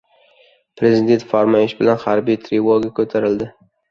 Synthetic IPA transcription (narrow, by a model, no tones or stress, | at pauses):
pʰɾe̞zid̪e̞nt̪faɾmaɪʃbɪlanχaɾbijt̪ʰɾelˠoɡʲakʰɵt̪ʰaɾɪld̪ɪ